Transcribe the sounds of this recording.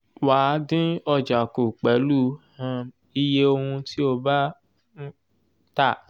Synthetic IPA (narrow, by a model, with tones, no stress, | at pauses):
waː˨˦dĩ˦ɔ˧d͡ʒa˨ku˨k͡pɛ˨˦lu˦hã˦˧ | i˧je˦o˧hũ˧ti˦o˦˧ba˦ | ta˦˨